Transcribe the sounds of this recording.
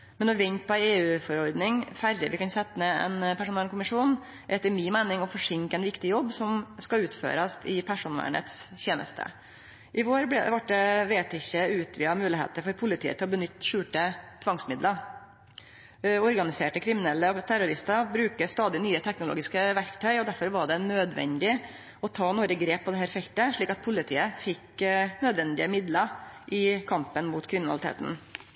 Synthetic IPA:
mɛnɔʋɛɲt̪̚pʰɔæeːʉːfɔɾɔɾd̪nɪŋfærəʋɪkɑnsɛt̪ːəmɛɛ̰npʰæʂʊnɛːɳkʊmɪʂuːn | ʔɛt̪əɾmɪːmæɪnɪŋɔfɔʂɪŋkəɛnʋɪkt̪ɪjɔbːsɔmskɑʉːt̪fø̰ːɾɑst̪ɪpʰæʂunʋæ̰ɳə̰t̪sçeːnə̰st̪ʰə̰ | ʔɪʋoːɾbʋɑʈ̚d̪ɛʋeːt̪ɪçːəʉːt̪ʰʋɪhɑɾmʉːlɪɦḛːt̪əɾfɔɾpʰʊlɪt̪ʰḭːət̪ʰɪlɔbənʏt̪ːʃʉːʈət̪ʰʋɑŋsmɪd̪lə | ɔɾɡɑnɪseːʈəkʰɾɪmɪnɛlːət̪ʰæɾʊɾɪst̪ɑɾbɾʉːkəst̪ɑːd̪ɪnyːət̪ʰɛknʊlo̰ːɡɪskəʋæɾkt̪ʰœʏɔd̪æɾfɔɾʋɑɖɛnøːd̪ʋɛ̰nd̪ɪ | ɔt̪ʰɑːnuːɾəɡɾeːppʰːɔd̪ɛɦæːɾfɛlt̪əʂɭiːkɑt̪̚pʰʊlɪt̪ʰiːəfɪknød̪ʋɛnd̪ɪəmɪd̪ləʔɪkʰɑmpənmut̪kʰɾɪmɪnɑlɪt̪ʰḛːt̪n̩

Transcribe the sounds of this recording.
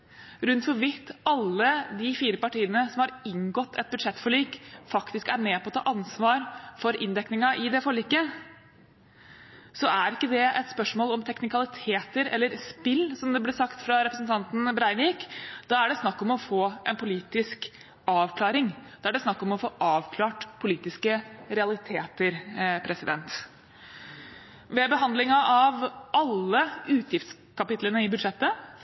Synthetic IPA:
ɾʉnt̪fɔɾʋɪt̪ːɑlːəd̪ɪfiːɾəpɑʈiːənəsɔmhɑɾɪŋɡɔt̪ːɛ̰t̪̚bʉd̪ʂɛt̪ːfɔɭyːkfɑkt̪ɪskæɾmeːpʰɔt̪ʰɑ̰ːʔɑnsʋɑːɾfɔɾʔɪnd̪ɛknɪŋɑʔɪd̪ɛfɔɭːiːkːə | sɔæɾɪkːəd̪ɛɛt̪spœʂmoːlɔmt̪ʰɛknɪkɑlɪt̪ʰeːt̪əɾɛlːəɾspɪlːsɔmd̪ɛblɛsɑkt̪fɾɑɾɛpɾəsnt̪ʰɑnt̪n̩bɾɑɪniːkd̪̥ɑːæɖɛsnɑkːɔmɔfoːʔɛnpʰʊliːt̪ɪsk | ɑːʋkʰlɑːɾɪŋd̪̥ɛæɖɛsnɑkːɔmɔfoːʔɑːʋkʰlɑːʈpʰʊliːt̪ɪskəɾɛɑlɪt̪ʰeːt̪əɾpʰɾɛsɪd̪ɛnt̪ | ʋɛbəɦɑnd̪lɪŋɑʔɑʋʔɑlːəʉːt̪ʰjɪft̪s | kʰɑpɪt̪lənəɪbʉd̪ʂɛt̪ːə

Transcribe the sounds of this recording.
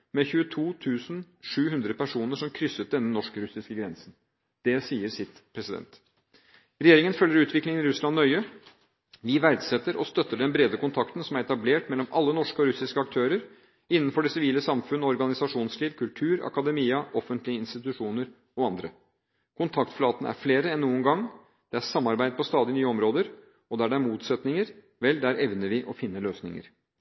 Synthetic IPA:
mɛçʉːət̪ʰuːt̪ʰʉːsn̩ʂʉːɦʉnd̪ɾəpæʂuːnəʂɔmkʰɾʏsːət̪̚d̪ɛnːənɔʂkəɾʉsɪskəɡɾɛnsn | d̪̥ɛsiːəɾsɪt̪pʰɾɛsɪd̪ɛ̰nt̪ | ɾɛjeːɾɪŋənfœljəɾʉːt̪ʰʋɪklɪŋənɪɾʉslɑnːœʏə | ʋɪʋæɾɖsɛt̪ːəɾɔst̪œt̪ːəɖɛnbɾeːd̪əkʊnt̪ʰɑkt̪n̩sɔmæɾɛt̪ɑbleːʈmɛlːɔmɑ̰lːənɔʂkəɔɾʉsɪskəɑk̚t̪ʰøːɾəɾ | ɪnːənfɔɖɛsɪʋiːləsɑmfʉnːɔɔɾɡɑnɪsɑʂuːnsliːʋkʰʉlʈ̪ʰʉːɾɑ̰kɑd̪ɛmiːəʔɔfənt̪lɪəɪnst̪ɪt̪ʉʂuːnəɾ | ɔɑnd̪ɾə | kʰʊnt̪ʰɑkt̪flɑːt̪ənəʔæ̰ɾfleːɾəɛnːuːənɡɑŋː | d̪̥ɛæʂɑmːɑɾbæɪd̪əpʰɔst̪ɑːd̪ɪnyːəɔmɾoːd̪əɾ | ɔd̪æɖɛæɾmuːt̪sɛt̪nɪŋəɾ | ʋɛld̪æɾʔɛʋnəɾʋɪʔɔfɪnːəløːsnɪ̰ŋə̰ɾ

